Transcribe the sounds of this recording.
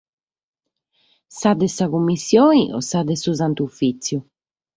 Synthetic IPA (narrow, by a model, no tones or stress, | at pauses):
sad̪ɛsaɣumːisjɔːiʔɔ̰sad̪ɛsuzant̪ufit̪sju